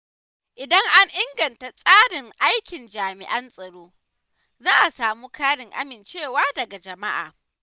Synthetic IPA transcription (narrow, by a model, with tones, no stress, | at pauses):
ʔɪ˨dɐ˦ŋʔa˦ŋʔɪ˦ŋɡɐ˨nta˨sʼaː˦dɪ˨ŋʔa˦jkʲɪ˨nd͡ʒaː˨mɪ̰˨ʔɐ˦nsʼɐ˨ɽoː˦ | zaː˦ʔa˨saː˨muː˦kʰaː˦ɽɪ˨ŋʔa̰˦mɪ˨nt͡ʃeː˦˨waː˦dɐ˨ɡa˨d͡ʒɐ˨ma˦ʔa̰ː˨